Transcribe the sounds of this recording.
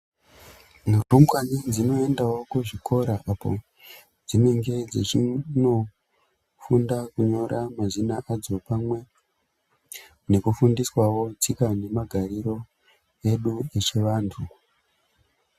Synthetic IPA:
murumwaɲid͡zino̞e̞ndawo̞kuʐikʰo̞ɾaʔapo̞̰ | d͡zine̞ŋɡe̞d͡zet͡ʃino̞ | fundakuɲo̞ɾamazinaʔad͡zo̞pamwe̞ | ne̞kufundiswawo̞d͡zikane̞maɡʱariɾo̞ | e̞ɗuet͡ʃeʋaːntʰu

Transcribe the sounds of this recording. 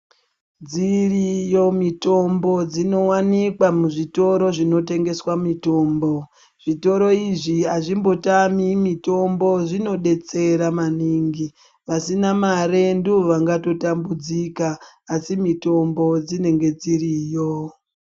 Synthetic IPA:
d͡zirijo̞mito̞mbo̞d͡zino̞wanikwamuʐito̞ɾo̞ʐino̞te̞ŋɡe̞swamito̞ːmbo̞ | ʐ̥ito̞ɾoiʐiaʐimbo̞tamimito̞mbo̞ʐino̞ɗe̞t͡se̞ɾamaniːŋɡi | ʋasinamare̞nduʋaŋɡato̞tambud͡zikaː | simito̞mbo̞d͡zine̞ŋɡe̞d͡ziriːjo̞

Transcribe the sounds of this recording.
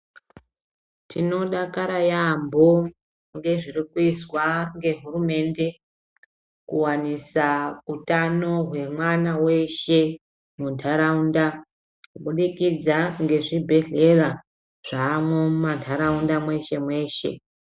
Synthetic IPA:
tʰino̞ɗakaɾajambo | ŋɡe̞ʐirikuiswaŋɡe̞ɦurume̞ːnde̞ | kuwanisautano̞ɦwe̞mwanawe̞ʃe̞ | muntʰaɾaunda | kuɓuɗikid͡zaŋɡe̞ʐibʱe̞ɮe̞ra | ʐ̥aːmumantʰaɾaundamwe̞ʃe̞mwe̞ːʃe̞̰

